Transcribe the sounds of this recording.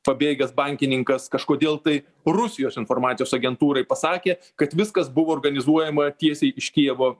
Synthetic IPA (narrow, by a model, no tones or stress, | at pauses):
pɐbʲeːɡʲɛsbɐŋʲkʲɪnʲɪŋkɐskɐʃkoːd̪ʲeːlˠt̪ɐɪ | rʊsʲɪjoːsɪnfoːɾmɑːt̪sʲɪjoːsɐɡʲɛnt̪uːɾɐɪpɐsɑːkʲeː | kɐt̪ʋʲɪskɐsbʊʋoːrɡɐnʲɪzuɔjɛmɐt̪ʲiɛsʲɛɪɪʃʲkʲiɛʋoː